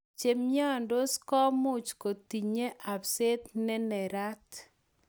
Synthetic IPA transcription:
t͡ʃe˨mɲɔ˦˨ndo˦skɔ˦mʊ˦t͡ʃko˨ti˨ɲe˦ʔa˨pse˦t̪nɛ˦nɛ˨ɾa˦t

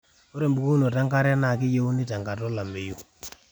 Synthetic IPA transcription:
o˦ɾe˨mbu˨ku˦no˨ta˦ŋka˦ɾɛ˦na˨ki˦je˦u˦ni˦ta˨ŋɡa˨tɔ˦la˨mbe˨ju˦

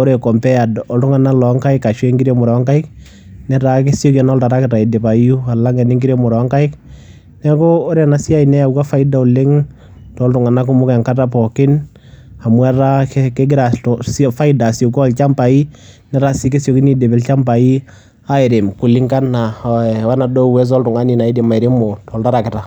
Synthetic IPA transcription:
o˦ɾe˨kɔ˨mpɛ˦a˨dɔ˨ltʊ˦ŋa˨na˦lɔ˨ŋka˦ɪka˨ʃwe˦ŋɡi˦ɾe˦mʊ˨ɾɔ˨˦ŋka˦ɪ˦k | nɛ˦ɾa˨k̬e˦sjo˦ka˨n˦lta˨ɾa˦kɪ˨ta˨i˨de˨ba˨˦u˦a˨la˦ŋɛ˨nɪ˦ŋɡiɾe˦mʊ˨ɾɔ˨˦ŋka˦ɪ˦k | nɛ˦kɔ˦o˦ɾe˨na˨sɪ˦a˦inɛ˦ja˨u˦ka˦fa˦ɪda˦u˨le˦ŋ | tːltʊ˨ŋa˨na˦kʊ˦mʊ˦kɛ˨ŋka˦ta˦pɔ˨kɪ˦n | a˨mwa˦ɾa˦ke˦ɡɪ˦ɾa˨sfa˦ɪda˨sjo˨kɔ˦˨lt͡ʃa˦mpa˨i˦nɛ˦ɾa˦si˦ke˦sjo˨ki˦ni˦de˨bɛ˨lt͡ʃa˦mpa˨i˦ | a˦ɪ˨ɾɪ˨mkʊ˨lɪ˦ŋka˦na˨wa˦na˨dɔ˦wɛ˦s̬ɔ˦ltʊ˨ŋa˦ni˨na˨i˦di˨ma˨ɪ˨ɾɪ˦mo˨tɔ˨lta˦ɾa˨kɪ˨ta˨

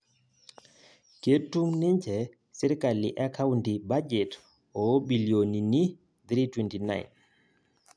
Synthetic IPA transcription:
ke˦tːu˦ŋni˦ɲt͡ʃɛ˨ | si˦ɾka˨lḭ˨ʔa˦ka˦wnti˨ba˦d͡ʒɛ˨t | ɔ˨bi˨ljo˨ni˨ni˦ | d̪ɾi˦twɛnti˨na̰jn

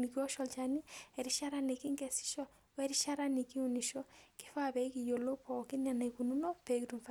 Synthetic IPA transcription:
ni˨ki˦ɔ˦ʃɔ˨lt͡ʃa˨ni˦ɛ˨ɾi˦ʃa˦ɾa˦ni˨kɪ˦ŋɡɛ˨si̥˦ʃɔ˦ | wɛ˦ɾi˦ʃa˦ɾa˦ni˨ki˦u˨ni˨ʃɔ˦kɪ̥˦fa˦pɛ˨i˦ki˨jo˨lo˦pɔ˨kɪ˦na˨na˨iku˨nu˦no˦pe˨kitu˨mfa˦

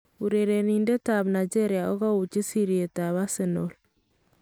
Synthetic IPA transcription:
uɾeɾe˨ninde˦taβna˨d͡ʒe˦ɾjaɔ˦ɣa˦u˨t͡ʃi˦si˦ɾi˨e˨ta˨βa˦senol

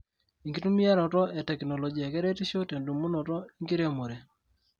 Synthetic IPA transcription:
i˨ŋɡi˦tu˦mi˦a˦ɾɔ˨tɔ˦e˨tɛ˨knɔ˨lɔ˨d͡ʒi˨a˨kɛ˦ɾe˦ti˦ʃo˦te˨ndu˨mu˦nɔ˨tɔ˦i˦ŋɡi˦ɾe˦mo˨ɾe˨

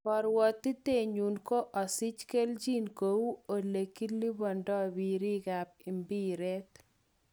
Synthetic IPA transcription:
pɔ˨ɾwɔ˨t̪ːi˦t̪e˨ɲu˨nko˦ʔɔ˨si˦t͡ʃke˦ld͡ʒi˦nko˨u˦o˨le˨ki˦lːi˦bɔ˨ndɔ˦bi˨ɾi˦ɡa˨p̚i˨mbi˦ɾɛ˦t̪

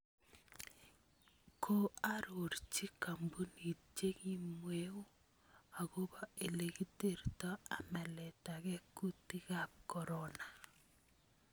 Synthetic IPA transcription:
kʰo˦a˦ɾo˨ɾt͡ʃi˦ka˨mbu˦ni˨t͡ʃe˦ŋi˦mwe˦u˦ | a˨ɣo˦bɔ˦e˨le˨ɣi˦te˦˨ɾtɔ˦a̰˨mɛ˨lɛ˨ta˨ɣɛ˦ku˦ti˦ɣa˦˨kɔ˨ɾɔ˦na˨

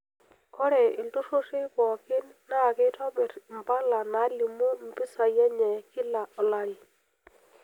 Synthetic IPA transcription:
kɔ˦ɾɛ˨ɪ˨lto˦ʃo˦ʃe˦kɔ˨kɪ˦nːa˦˨kɪ˦tɔ˦bɛ˨ɾm˨pa˦la˨na˨˦li˨mo˦m̩˨pɪ˦sa˨jɛ˦ɲɛ˨kɪ˦la˨ɔ˨la˨ɾi˨

